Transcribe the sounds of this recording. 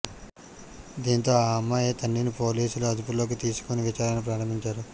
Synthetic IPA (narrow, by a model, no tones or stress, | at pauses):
d̪iːnt̪o̞ːaaːmːaeːt̪ɐnːinipo̞ːliːsuluɐd̪upulo̞ːk̬it̪iːsu̥koniʋit͡ʃaːɾɐnup̬ɾaːɾɐmbʱiɲt͡ʃaːɾu